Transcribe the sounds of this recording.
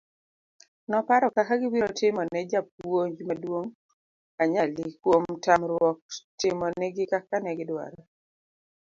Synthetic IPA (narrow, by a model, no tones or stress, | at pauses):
nɔpaɾɔkakaɡɪwiɾɔtɪmɔnɛd͡ʒap̚woɲd͡ʒmadwoŋ | aɲalikwomtamɾwɔk̚tɪmɔnɛɡɪkakanɛɡɪdwa̰ɾa